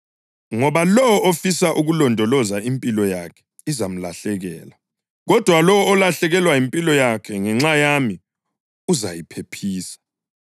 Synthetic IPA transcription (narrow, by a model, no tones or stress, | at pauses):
ŋɔβalɔwɔofisaʔuɣulɔndʱɔlɔzaimpʼilɔjakʰɛ̥ | izam̩laɬɛɣɛ̰ːla | ɣɔd̥ʱwalɔwɔːlaɬɛɣɛlwajimpʼilɔjakʰɛŋɛŋ͡ǁajami | uzajipʰepʰiːsḁ